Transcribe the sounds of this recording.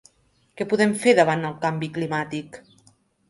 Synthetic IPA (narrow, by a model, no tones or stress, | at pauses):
kɛpuðɛmfeɾðəβ̞and̪əlˠkambiklimat̪ik